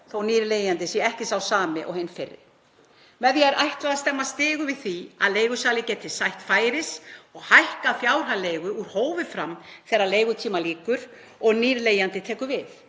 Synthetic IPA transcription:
θowniːɾleːjant̪ɪsjɛɛhcɪsaːwsaːmɪʔɔ̰ɣhenfɪrːɪ̰ɾ | mɛðjɛɛɾʔajht̪laðast̪ɛmːast̪ɪːɣʏvɪðθia̰ðleːjɣʏsaːlɪcɛːt̪ʰɪsajht̪faːjɾɪsɔɣhajhkaðfjaːwr̥ɦaleːjɣʏuɾ̥hoːwvɪfɾamθɛːɾːaɾleːjɣʏt̪ʰiːmaliːkʏɾ̥ | ɔɣniːɾleːjant̪ɪt̪ʰɛːkʏɾvɪθ

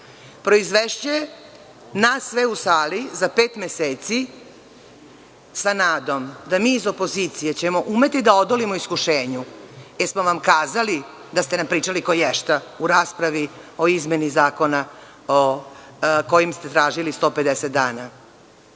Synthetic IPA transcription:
pɾo̞izʋeʃt͡ɕuje | nasːʋeusaːlizapeːt̪mʲeseːt̪si | sanaːd̪o̞md̪amiːzo̞po̞ziːt̪sije̞t͡ɕe̞mo̞ʔume̞t̪id̪ao̞d̪olimoiskuʃeːɲujeɾsmoʋamkaːzali | d̪ast̪e̞nampɾiːt͡ʃalikojɛʃt̪auɾaːspɾaʋio̞izme̞nizaːko̞na | o | ko̞jimst̪e̞t̪ɾaːʒilist̪o̞ːpe̞d̪eset̪̚d̪aːna

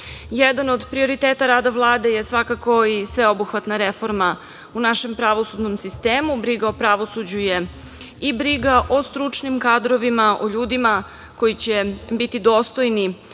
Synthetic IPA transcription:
jed̪ano̞d̪pɾio̞ɾit̪eːt̪aɾaːd̪aʋlˠaːd̪e̞jesʋakako̞isʋeo̞buxʋat̪naɾefo̞ɾma | unaʃe̞mpɾaʋo̞sud̪nomsist̪eːmubɾiɡaopɾaʋosud͡ʑuje̞ | ibɾiɡaʔo̞st̪ɾut͡ʂnimkaːd̪ɾo̞ʋimaʔoʎuːd̪ima | ko̞jit͡ɕebit̪id̪o̞ːst̪o̞jni

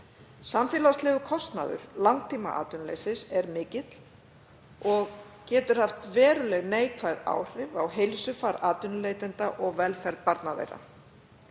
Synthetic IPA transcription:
samfɛːlast̪lɛːɣʏkʰɔst̪na̰ðʏ̰ɾ̥lawŋk̚t̪ʰiːma̰ʔa̰ːt̪ʏnlḛjsɪsɛɾmɪːcɪt̪l̥ | ɔɣ | cɛːt̪ʏɾ̥haft̪vɛːɾʏlɛɣneːjkʰvajða̰ːwr̥ɪvawɦejlsʏfaɾaːt̪ʏnʏlejt̪ɪnt̪aʔɔɣvɛlfɛɾð̚paɾt̪navḛjɾa̰

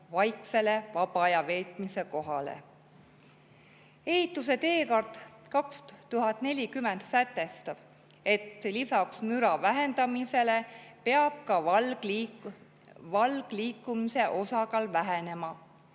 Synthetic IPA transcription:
vɑjkse̞le̞vɑbɑjɑve̞ːt̪ˑmise̞ko̞ɦɑlḛ | e̞hit̪ːˑuse̞t̪e̞ːko̞rt̪kɑkstt̪uɦɑt̪ˑne̞lʲikymend̪sæt̪ːe̞st̪ɑb̥ | e̞t̪ːlisɑksmyɾɑvæɦe̞nd̪ɑmise̞le̞pe̞ɑb̥̚kɑl | vɑlɡ̥liːkːˑumise̞ʔo̞sɑkɑlvæɦene̞mɑ

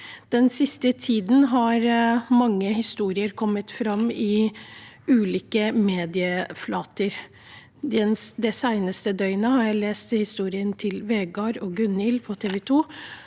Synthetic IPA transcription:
d̪̥ɛnsɪst̪ət̪ʰiːd̪n̩ɦɑɾmɑŋːəhɪst̪uːɾɪəɾkʰɔmːət̪fɾɑmɪ | ʉːliːkəmeːd̪ɪəflɑːt̪əɾ | d̪ɛnd̪ɛsæɪnəst̪əd̪œʏnəhɑɾjæɪleːst̪hɪst̪uːɾɪənt̪ʰɪlʋeːɡɑɾoːɡʉnɪlpʰɔt̪ʰeːʋɛt̪ʰuː

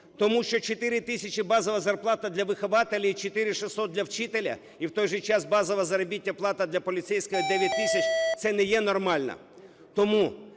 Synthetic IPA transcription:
t̪ɔmuʃt͡ʃɔt͡ʃet̪ɪɾʲɪt̪ɪsʲɐt͡ʃʲɪbɑzɔʋɐzɐrplˠɑt̪ɐd̪lʲɐʋɪxɔʋɑt̪elʲiit͡ʃot̪ɪɾʲɪʃɪsɔt̪̚dlʲɐwt͡ʃɪt̪elʲɐ̰ | iwt̪ɔjʒɛt͡ʃɑsbɑzɔʋɐzɐɾɔbʲitʲːɐplˠɑt̪ɐd̪lʲɐpɔlʲɪt̪sɛjsʲkɪjɐd̪ɛʋʲjɐt̚ʲt̪ːɪsʲɐt͡ʃt̪sɛnɛjɛnɔrmɑlʲnɐ̰ | t̪ɔmu

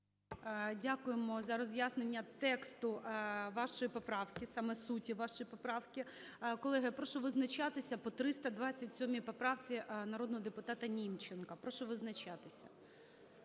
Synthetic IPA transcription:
dʲakʊjemɔzɐɾɔzʲjasnenʲːɐt̪ɛkst̪ʊʋɑʃɔjipɔpɾɑwkʲɪsɑmɛsutʲiʋɑʃɔjipɔpɾɑwkʲɪkɔlˠɛɦɪpɾɔʃɔʋɪznɐt͡ʃɑt̪ɪsʲɐpɔt̪ɾɪst̪ɐd̪ʋɑt͡sʲːɐtʲsʲɔmʲipɔpɾɑwt͡sʲiʔnɐɾɔd̪nɔɦɔd̪epʊt̪ɑt̪ɐnʲimt͡ʃenkɐpɾɔʃɔʋɪznɐt͡ʃɑt̪ɪsʲɐ̰

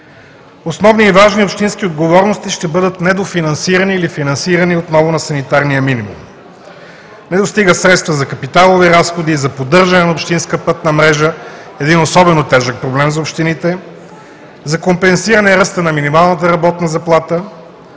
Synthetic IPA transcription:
osnɔvniːvaʒniopʃt̪insk̟iod̪ɡovɔɾnost̪iʃt̪ɛbɤd̪ət̪nɛd̪ofinɐnsiɾɐniːlifinɐnsiɾɐniot̪nɔvʊnɐsɐnit̪aɾnijəminimṵm | nɛd̪ost̪iɡəsɾɛt̪st̪vəzɐkɐpit̪alˠoviɾasxod̪iːzɐpod̪ɤɾʒɐnɛnɐopʃt̪inskəpɤt̪nɐmɾɛʒə | ɛd̪inosɔbɛnot̪ɛʒək̚pɾoblɛmzɐopʃt̪init̪ɛ | zɐkompɛnsiɾɐnɛɾəst̪ənɐminimalˠnət̪əɾɐbɔt̪nɐzɐplˠat̪ə

